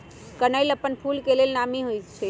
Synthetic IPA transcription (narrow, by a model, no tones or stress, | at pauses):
kənəjləpənpʰulkelelnamiɦojt͡ʃʰɛ